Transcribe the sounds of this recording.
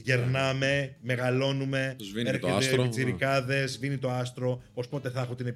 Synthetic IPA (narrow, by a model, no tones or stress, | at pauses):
ʝe̞ɾnɐme̞meɣɐlo̞nume̞eɾçeetpit͡siɾikɐðe̞zvinit̪o̞ɐst̪ɾo̞ospo̞t̪e̞θɐxot̪ine̞p